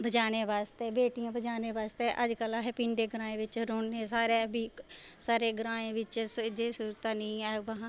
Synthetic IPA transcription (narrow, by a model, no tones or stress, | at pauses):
bəd͡ʒaːneːʋaːst̪eːbeːʈijãːbəd͡ʒaːneːʋaːst̪eːʔəd͡ʒkəlaɦɛːpɪɳɖeːɡɾãːẽːʋɪt͡ʃɾoːɳːeːsaːɾeːbʱiːsaːɾeːɡɾãːẽːʋɪt͡ʃsd͡ʒeːsuːɾt̪aːnəĩːɛʋəɦãː